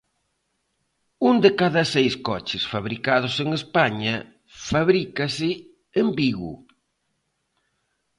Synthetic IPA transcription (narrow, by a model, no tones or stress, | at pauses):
und̪ɪkaðɐsejskɔt͡ʃɪsfaβɾikað̞ʊseŋespaɲɐ | faβɾikɐsɪ | embiɣṵ